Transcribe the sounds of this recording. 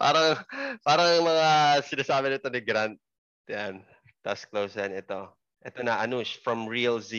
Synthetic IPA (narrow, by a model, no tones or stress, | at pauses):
pa̰ːɾɐŋpaːɾɐŋmɐŋasɪnaːsaːbɪnɪt̪o̞nɪɡɾant̪̚ | jan | t̪ɐ̰sklowsɐnɛt̪o̞ | ʔɛt̪o̞nɐʔɐnusfɹɐmɹiɐlzi